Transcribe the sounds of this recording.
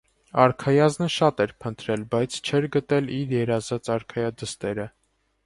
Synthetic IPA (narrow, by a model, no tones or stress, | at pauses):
ɑɾkʰɑjɑznəʃɑt̪ɛɾpʰənt̪ɾɛlbɑjt͡sʰt͡ʃʰɛɾɡət̪ɛliɾjɛɾɑzɑt͡sɑɾkʰɑjɑd̪əst̪ɛɾə